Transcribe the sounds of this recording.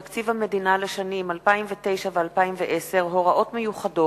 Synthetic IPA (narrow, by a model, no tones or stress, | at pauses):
akt͡sivhame̞d̪inaleʃanimalpaimvet̪e̞jʃavealpaimveʔese̞ʁɦo̞ʁaʔo̞tmejuχado